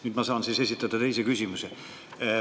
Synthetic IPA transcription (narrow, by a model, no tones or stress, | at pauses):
nyːd̪mɑsɑːnsiːse̞sʲit̪ːˑɑd̪̥ɑt̪e̞jsekysʲimuse